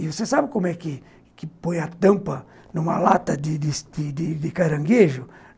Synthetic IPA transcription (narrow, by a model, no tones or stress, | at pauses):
ɪvosesabɪkõmʊɛkɪ | kɪpojɐt̪ɐ̃mpɐ | nũmɐ̰lat̪ɐd̪ɪd̪ɪsd̪̥ɪd̪ɪd̪ɪkaɾɐ̃ŋɡeʒʊ